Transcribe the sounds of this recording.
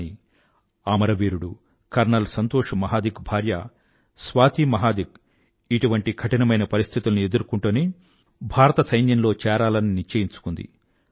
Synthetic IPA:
i | aːmɐɾɐʋiːɾuɽu | kɐɾɳɐlsɐnt̪oːʂɐmɐɦaːd̪iɡbʱaːɾjɐ̰ | sʋaːt̪imɐɦaːd̪iɡ̚ | iʈuʋɐɳʈiɡʰɐʈinɐmɐjnɐpɐɾist̪ʰit̪ulɐnue̞d̪uɾukuɳʈuni | bʱaːɾɐt̪ɐsɐjnjɐnlo̞ːt͡ʃɛːɾaːlɐniniɾt͡ʃɐːjiɲt͡ʃu̥kund̪ḭ

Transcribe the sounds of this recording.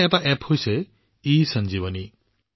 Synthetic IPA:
epaʔepʰhojse | isʌnd͡ʒiβɔni

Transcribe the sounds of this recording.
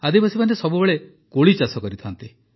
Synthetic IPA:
ad̪ibasimanesɔbubeɭe | koɭit͡ʃasɔkɔɾit̪ʰant̪i

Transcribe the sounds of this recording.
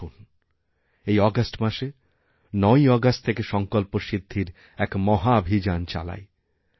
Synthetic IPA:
un | ejɔɡasʈmaʃe | nɔjɔɡasʈt̪ʰekeʃɔŋkolpoʃid̪ʱːiɾ | ɛkmɔɦabʱid͡ʑant͡ɕa̰la̰e

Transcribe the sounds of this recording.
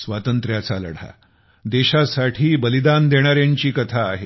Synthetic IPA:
sʋat̪ənt̪ɾjat͡salə̰ɽ̤a̰ | d̪eɕasaʈʰiːbəlid̪and̪eɽ̃aɾjaɲt͡ɕiːkət̪ʰaːɦe

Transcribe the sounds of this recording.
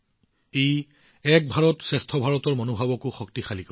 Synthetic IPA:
ej | ɛk̚bʱaɹɔtsɛstʰɔbʱaɹɔtɔɹmɔnobʱabɔkʊxɔktixalika

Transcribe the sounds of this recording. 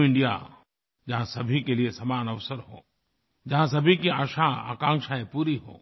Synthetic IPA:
ɪ̃ɳɖija̰ | d͡ʒɐɦãsɐbʱikeliesaːmaːnɐʋsəɾɦo̰ː | d͡ʒɐɦãs̬ɐbʱikiaːʃaa̰ːkãːŋkʃaẽpuːɾiɦo̰ː

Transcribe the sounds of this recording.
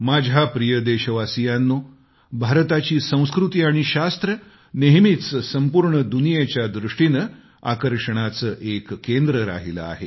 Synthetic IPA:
mad͡ʑʱapɾijəd̪eɕəʋasijanːo | bʱaɾt̪at͡ɕiːsə̃w̃skɾut̪iaɽ̃iɕast̪ɾə | neɦmit̪t͡ssəmpuɾɳəd̪unijet͡ɕjad̪ɾuʂʈinə | a̰kəɾʂəɽ̃at͡səːʔekːend̪ɾəɾa̰ɦilə̰a̰ɦe

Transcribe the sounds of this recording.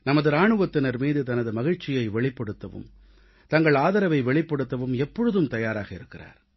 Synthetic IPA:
nɐmɐðɯɾaːɳɯʋɐt̪ːɪnɐɾmiːðɯt̪ɐnɐðɯmɐɣɪɻt͡ʃːɪjɐɪʋɛɭɪpːɐɽɯt̪ːɐʋɯ̰m | t̪ɐŋɡɐɭaːðɐɾɐʋɐɪʋɛɭɪpːɐɽɯt̪ːɐʋɯmɛpːɔɻɯðɯmt̪ɐjaːɾaːɣɐɪɾɯkːɪra̰ːɾ

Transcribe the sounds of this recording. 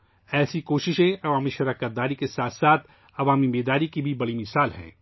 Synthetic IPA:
ɛːsikoːʃɪʃẽɐʋaːmiʃɐɾaːkət̪̚d̪aːɾikesaːt̪ʰsaːt̪ʰ | ɐʋaːmimeːd̪aːɾikibʱibɐɽimɪsaːlɦɛ̰̃ː

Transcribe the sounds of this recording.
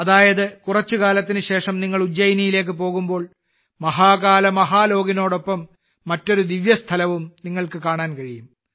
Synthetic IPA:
ɐðaːjɐðɨkurɐt͡ɕːɨkaːlɐt̪ːinɨɕe̞ːʂɐmniŋːɐɭud͡ʑːɐjnijile̞ːk̬ːɨpo̞ːɣumbo̞ːɭ | mɐɦaːkaːlɐmɐɦaːlo̞ːɡinoːɽopːɐmː | ɐtːo̞ɾud̪iʋjɐst̪ʰɐlɐʋumniŋːɐɭkɨkaːɳaːnkɐɻijum

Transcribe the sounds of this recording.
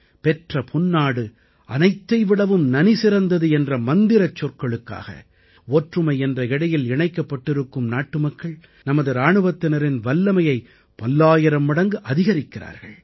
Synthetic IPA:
pɛʈrɐpʰʊnːaːɽɯ | ʔɐ̰nɐɪt̪ːɐɪʋɪɽɐʋɯmnɐnisɪɾɐnd̪ɐðɯɛndrɐmɐnd̪ɪɾɐt͡ʃːɔrkɐɭɯkːa̰ːɣɐ̰ | oːʈrɯmɐɪɛndrɐɪɽɐjɪlɪɳɐɪkːɐpːɐʈːɪɾɯkːɯmnaːʈːɯmɐkːɐɭ | nɐmɐðɯɾaːɳɯʋɐt̪ːɪnɐɾɪnʋɐlːɐmɐjɐɪ | pɐlːaːjɪɾɐmɪɽɐŋɡɯʔɐðɪɣɐɾɪkːɪɾa̰ːɾɣɐɭ

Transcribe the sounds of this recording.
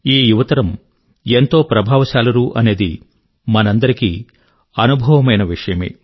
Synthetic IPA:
iːjuʋɐt̪ɐɾɐm | ent̪o̞ːpɾɐbʱaːʋɐsaːlɐɾuːʔɐne̞ːd̪ḭ | mɐnɐnd̪ɐɾiki | ɐnubʱɐʋɐmɐjnɐʋiʂɐjɐmḛː

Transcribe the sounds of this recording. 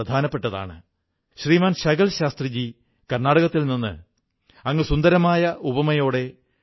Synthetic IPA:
ɐd̪ʱaːnɐpːe̞ʈːɐða̰ːɳɨ̰ | ɕriːmaːnɕɐɣɐlɕaːst̪rid͡ʑi | kɐrnaːɽɐɣɐt̪ːilninːɨ̰ | ɐŋːɨsund̪ɐɾɐmaːjɐʔubɐmɐjo̞ːɽe̞

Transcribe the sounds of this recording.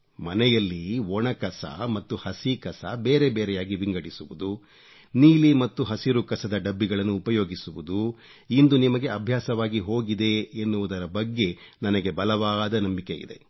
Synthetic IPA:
mɐnɛjɐlːiɔɳɐkɐsɐ̰mɐt̪ːuhɐsikɐsɐ̰be̞ːɾe̞beːɾɛjaːɡiʋiŋɡɐɽisuʋud̪u | niːlimɐt̪ːuɦɐsiɾukɐsɐd̪ɐɖɐbːiɡɐɭɐnːuːpɐjo̞ːɡisuʋud̪u | ind̪unimɐɡe̞ɐbʱjaːsɐʋaːɡiɦo̞ːɡid̪e̞ːnːuʋud̪ɐɾɐbɐɡːe̞ | nɐnɐɡe̞bɐlɐʋaːd̪ɐnɐmbike̞ḭd̪e̞̰

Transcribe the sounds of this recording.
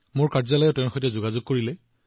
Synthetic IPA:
mʊɹkaɹzalɔjɛtɛʊ̃nxojtɛzʊɡazʊɡ̚koɹilɛ

